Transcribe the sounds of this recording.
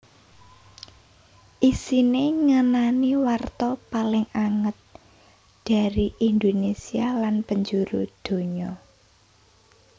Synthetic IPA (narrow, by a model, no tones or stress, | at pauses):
ʔisineŋənaniwart̪ɔpalɪŋaŋət̪̚ | d̪̥a̤ɾiʔind̪onesialanpəɲd͡ʒuɾṵd̪̥o̤ɲɔ